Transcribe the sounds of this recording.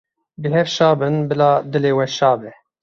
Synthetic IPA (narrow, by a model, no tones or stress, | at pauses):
bɨɦɛvʃɑːbɨnbɨlɑːd̪ɨleːwɛʃɑːbɛ